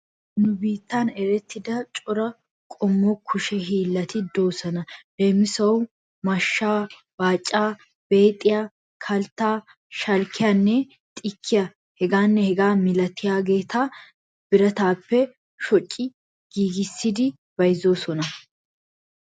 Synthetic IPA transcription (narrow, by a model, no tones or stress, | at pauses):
nʊbiːt̪ːaːnɛɾɛt̪ːɪd̪ɐt͡ʃʼɔɾɐ | kʼɔmːokʰʊʃɛɦiːlːɐt̪ɪd̪oːsɐnɐd̪eːmːɪsɐw | mɐʃːaː | baːt͡ʃʼːaː | b̥e̞ːt̪ʼːɪja | kʰɐlt̪aː | ʃɐlkʰɪjaːnːɛ | t̪ʼɪkʰːɪjɐ | hɛɡaːnːɛhɛɡaːmɪlɐt̪ːɪjaːɡe̞ːt̪ʰaː | b̥ɪɾɐt̪aːpːɛ | ʃɔt͡ʃʼːɪ | ɡ̥iːɡɪsːɪd̪ɪ | b̥ɐjzo̞ːsɔnɐ